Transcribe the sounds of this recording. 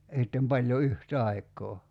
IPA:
sitːem pɑlʲjo yht ɑikˑoː

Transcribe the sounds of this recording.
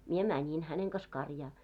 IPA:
mie mænʲin hæneŋ kɑs kɑrjɑː

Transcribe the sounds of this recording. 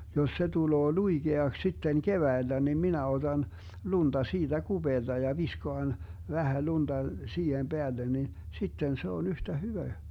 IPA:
jos se tuloː luiɡ̊eɑks sitːen keʋæilːæ nim minæ od̥ɑn lund̥ɑ siːd̥æ ɡ̊ub̥eːld̥ɑ jɑ ʋiskoɑn ʋæhæ lund̥ɑ siːhem b̥eælːen nin sitːen se on yhtæ hyʋæ

